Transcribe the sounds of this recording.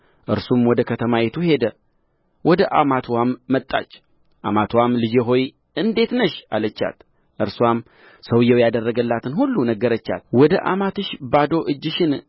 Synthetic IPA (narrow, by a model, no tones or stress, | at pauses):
ʔɨɾsumwɔd̪əkʰət̪ʰəmajet̪ʰuhe̞d̪ə | wɔd̪əʔa̰mat̪ʰwamːət̪ʼːa̰t͡ʃː | ʔa̰mat̪ʰwamlɨd͡ʒeɦo̞j | ɨnd̪e̞t̪nəʃalət͡ʃːa̰t̪ | ʔɨɾswam | səwjɛwjad̪ərːəɡəlːat̪ʰɨnhulːunəɡəɾət͡ʃːa̰lwɔd̪əʔa̰mat̪ɨʃbad̪o̞ʔɨd͡ʒːɪʃɪn